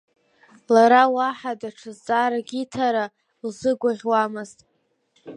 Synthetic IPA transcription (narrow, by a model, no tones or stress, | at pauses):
laɾawaħadaʈ͡ʂʰɨzt͡sʼaɾaɡʲitʰaɾa | lzɨɡʷaʁʲwamɨztʼ